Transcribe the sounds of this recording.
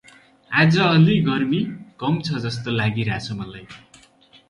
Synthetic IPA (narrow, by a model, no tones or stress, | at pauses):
ad͡zʌʌliɡʌrmikʌmt͡sʰʌd͡zʌst̪olaɡiɾat͡sʰʌmʌlaj